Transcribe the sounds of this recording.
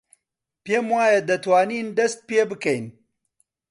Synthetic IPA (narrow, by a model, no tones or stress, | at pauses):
peːmwaːjɐd̪ɐt̪waːniːnd̪ɐst̪̚peːbɨkɐjn